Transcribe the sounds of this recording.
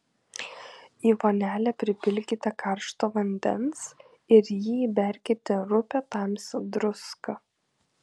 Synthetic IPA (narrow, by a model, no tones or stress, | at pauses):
iːʋoːnʲæːlʲɛpʲɾʲɪpʲɪlʲɡʲit̪ʲɛkɐɾʃt̪oːʋɐnʲd̪ʲɛ̰ns | ɪɾjiːbʲæˑɾʲkʲɛt̪ʲeɾʊpʲɛt̪ɑmʲsʲd̪ɾʊskɐ